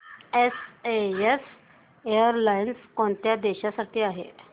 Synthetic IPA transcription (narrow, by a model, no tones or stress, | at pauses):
esees | ejəɾlainskoɳt̪jad̪eɕasəɾt̪iːaɦḛ